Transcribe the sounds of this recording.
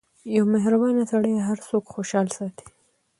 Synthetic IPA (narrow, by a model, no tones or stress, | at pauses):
jawmaɦɾabɑnat̪aɽəjaɦaɾsokxoʃɑlsɑt̪i̥